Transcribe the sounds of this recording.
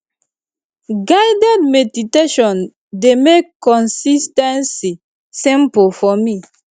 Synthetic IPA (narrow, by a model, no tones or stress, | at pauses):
ɡaɪdɛdmɛditeʃɔ̃n | demekːɔ̃nsistɛ̃nsi | sĩmpofɔmi